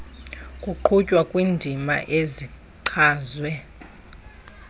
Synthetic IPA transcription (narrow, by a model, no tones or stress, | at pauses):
kʼuǃʰucʼwakʼwindʱima̰ʔezi | ǀʰaːzwɛ